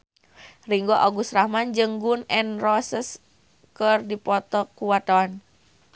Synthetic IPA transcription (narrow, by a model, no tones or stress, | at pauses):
riŋɡɔʔaɡusɾahmand͡ʒɨŋɡunɛnrɔsəs | kərdipɔt̪ɔkuwat̪ɔn